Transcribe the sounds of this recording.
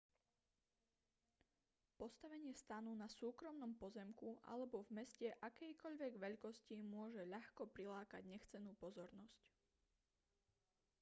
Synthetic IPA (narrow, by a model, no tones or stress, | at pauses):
pɔst̪aʋɛɲɪɛst̪anuːnasuːkɾɔmnɔmpɔzɛmkuʔa̰lɛbɔvmɛscɛʔakɛjkɔʎʋɛɡʋɛʎkɔscimʊɔʒɛʎaxkɔpɾilaːkaɟɲɛxt͡sɛnuːpɔzɔɾnɔsc